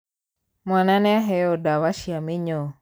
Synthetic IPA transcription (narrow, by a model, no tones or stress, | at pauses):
mwananɛaɦɛɔdawaʃjamɪɲo